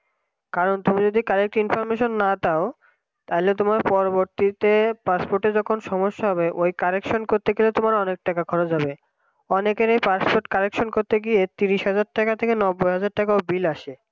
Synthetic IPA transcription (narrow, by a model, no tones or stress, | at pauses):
kaɾont̪umid͡ʑod̪ikaɾek̚ʈinfɔɾmeʃonːat̪ao | t̪aɦilet̪̬omaɾpɔɾoboɾt̪it̪epaspoɾʈed͡ʑɔkʰonʃɔmoʃːaɦɔbeʔojkaɾekʃonkoɾt̪eɡelet̪omaɾɔnek̚ʈakakʰɔɾod͡ʑɦabe | ɔnekeɾejpaspoɾʈkaɾekʃonkoɾt̪eɡiet̪iɾiʃɦad͡ʑaɾʈakat̪ʰekenɔbːojɦad͡ʑaɾʈakaobilaʃe